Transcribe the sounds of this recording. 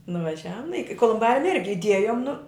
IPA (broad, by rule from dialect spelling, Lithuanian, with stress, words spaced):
nʊʋɐˈʒʲæːʋʊm nʊ ˈɪkʲɪ koːlˠʊmˈbɑːrʲʊm ˈɪrʲɡʲɪ ɪˈdʲiɛjʊm nʊ